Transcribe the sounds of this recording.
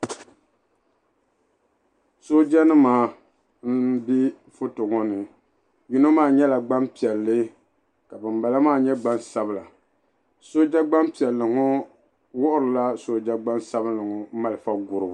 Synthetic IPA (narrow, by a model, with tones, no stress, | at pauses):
so˦d͡ʒa˦nɨ˦maː˨˦ | m̩˦bi˦ | fʊ˦tʊ˨ŋɔ˦nɨ˨ | ji˦no˦maː˦˨ɲɛ˦la˨ɡ͡ba˦mpi˨ɛ˨lːɨ˦ | ka˨bɨ˨mba˨la˦maː˦˨ɲɛ˦ɡ͡ba˦nsa˦bɨ˦la˨ | so˦d͡ʒa˦ɡ͡ba˦mpi˨ɛ˨lːɨ˨ŋʊ˦ | wʊ˦ʔʊ˦ɾɨ˨la˦so˦d͡ʒa˦ɡ͡ba˦nsa˦βɨ˦lːɨ˨ŋɔ˨˦ma˨lɨ˨fa˦ɡʊ˨ɾɨ˨bʊ˨